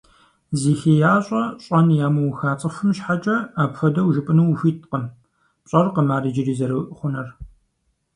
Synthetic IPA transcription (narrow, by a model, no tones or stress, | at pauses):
ziːxeːjaːɕʼɐɕʼɐnjaːmɨwxaːt͡sʼɐfʷɨmʃħat͡ʃʼɐaːpxʷɐdɐwʒɨpʼɨnuwfʷiːtʰqəm | pɕʼɐrqəmaːɾid͡ʒɪriːzɐɾɐwʔχʷʊnɐr